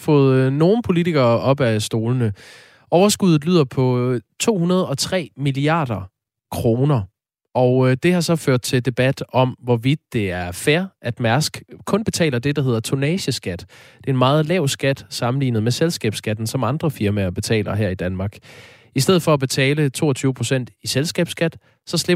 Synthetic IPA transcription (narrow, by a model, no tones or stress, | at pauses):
fɔ̰̽ːð̞̩ˠno̝ːn̩pʰo̝lit͡sʰiɡ̥ɐːʔɒ̽b̥æsd̥o̝ːlənə | ɒʊɐsɡ̥uð̞̩ˠlyːð̰ˠɐpʰɒ̽t͡sʰo̝̰ːhunɐð̞ˠɒ̽t͡sʰʁɛ̰ːmiliɑ̰̈ːd̥ɐ | kʰʁo̝ːnɐ | ɒʊd̥e̝hɑ̈sɒ̽føɐ̰d̥̚t͡sʰe̝ld̥e̝b̥æd̥ɒ̽mʋɒʋid̥̚ːe̝æɐfæɐʔæd̥mæɐsɡ̥kʰɔ̽nb̥e̝t͡sʰɛ̰ːlɐd̥e̝d̥ɑ̈ɦe̝ð̞̰ˠɐt͡sʰo̝nɛːɕəsɡ̥æd̥d̥e̝e̝nmɑ̈ːð̞̩ˠlɛʊ̰sɡ̥æd̥sɑ̈mn̩lḭːnəð̞̩ˠmeselsɡ̥ɛ̰ːb̥sɡ̥æd̥n̩sɒ̽mɑ̈nd̥ʁɐfiɐmæɐb̥e̝t͡sʰɛ̰ːlɐɦæɐ̰id̥ænmɑ̈ːɡ̥ | isd̥eð̞̰̩ˠfɒ̽æb̥e̝t͡sʰɛːlət͡sʰo̝ːɒt͡sʰyːʊəpʰʁo̝sen̰d̥iselsɡ̥ɛ̰ːb̥sɡ̥æd̥ | sɒ̽sle̝